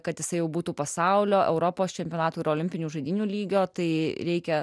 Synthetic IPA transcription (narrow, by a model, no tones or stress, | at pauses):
kɐt̪jɪsɐɪjɛʊbuːt̪uːpɐsɐʊlʲoːʔɛʊɾopoːst͡ʃʲɛmʲpʲijoːnɑːt̪uːɪɾoːlʲɪmʲpʲɪnʲuːʒɐɪd̪ʲiːnʲuːlʲiːɡʲoːt̪ɐɪɾʲɛɪkʲɛ